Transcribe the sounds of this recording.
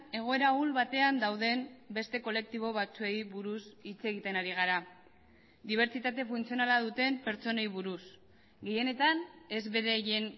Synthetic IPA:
e̞ɣ̞o̞e̞ɾaulβat̪e̞and̪awðe̞mbe̞st̪e̞ko̞le̞k̚t̪iβ̞o̞βat͡sue̞jβuɾusit͡se̞ɣit̪e̞naɾiɣ̞aɾa | d̪iβ̞e̞ɾt͡ʃit̪at̪e̞funt͡sio̞nalað̞ut̪e̞mpe̞ɾt͡so̞ne̞jβuɾus | ɡe̞je̞ne̞t̪ane̞zβe̞ɾejen

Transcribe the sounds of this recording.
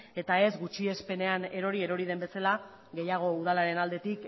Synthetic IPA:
e̞t̪ae̞zɡut͡ʃie̞spe̞ne̞ane̞ɾo̞ɾie̞ɾo̞ɾið̞e̞mbe̞sala | ɡe̞jaɣ̞o̞uð̞alaɾe̞nald̪e̞t̪ik

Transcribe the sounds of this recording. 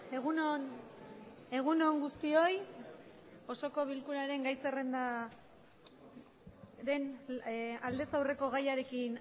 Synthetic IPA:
eɣunon | e̞ɣ̞unoŋɡust̪io̞j | o̞so̞ko̞β̞ilkuɾaɾe̞ŋɡajse̞re̞nd̪a | d̪e̞n | ald̪e̞sawre̞ko̞ɣ̞ajaɾe̞kin

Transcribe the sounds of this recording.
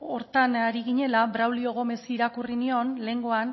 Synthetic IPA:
o̞ɾt̪anaɾiɣiɲe̞labɾawlio̞ɣ̞o̞mesiːɾakurinio̞nle̞ŋɡo̞an

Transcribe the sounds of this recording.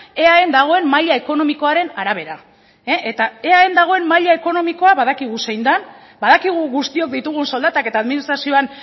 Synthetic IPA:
e̞aend̪aɣ̞o̞e̞mmaʎae̞ko̞no̞miko̞aɾe̞naɾaβ̞e̞ɾa | eʔet̪ae̞aend̪aɣ̞o̞e̞mmaʎae̞ko̞no̞miko̞aβaðakiɣ̞use̞jnd̪an | baðakiɣ̞uɣust̪io̞k̚d̪it̪uɣ̞unso̞ld̪at̪ake̞t̪aːðminist̪ɾasio̞an

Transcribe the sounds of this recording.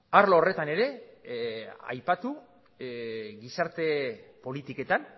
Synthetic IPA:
aɾloːre̞t̪ane̞ɾe̞ | a̰jpat̪u | ɣisaɾt̪e̞po̞lit̪ike̞t̪an

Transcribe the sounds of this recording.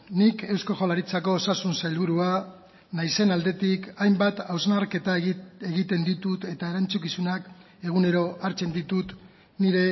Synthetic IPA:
nike̞wsko̞ʝolaɾit͡sako̞ːsasunsajlβuɾua | najse̞nald̪e̞t̪ikajmbat̪awznaɾke̞t̪ae̞ɣit̪e̞nd̪it̪ut̪e̞t̪ae̞ɾant͡suk̬isunak | e̞ɣ̞une̞ɾo̞ʔaɾt͡se̞nd̪it̪ut̪ | niɾe̞

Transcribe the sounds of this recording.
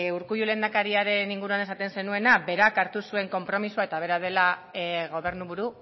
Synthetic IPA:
uɾkujule̞nd̪akaɾiaɾe̞niŋɡuɾuane̞sat̪e̞nse̞nue̞nabe̞ɾakaɾt̪usue̞ŋko̞mpɾo̞misuae̞t̪aβe̞ɾað̞e̞laɣo̞βe̞ɾnuβuɾu

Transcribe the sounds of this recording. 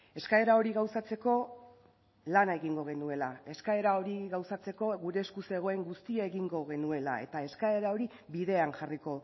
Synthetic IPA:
e̞skae̞ɾao̞ɾiɣawsat͡se̞ko̞ | lanaeɣiŋɡo̞ɣ̞e̞nue̞lae̞skae̞ɾao̞ɾiɣawsat͡se̞ko̞ɣuɾe̞ːskuse̞ɣ̞o̞e̞ŋɡust̪iaeɣiŋɡo̞ɣe̞nue̞la̰e̞t̪ae̞skae̞ɾao̞ɾiβiðe̞anʝariko̞

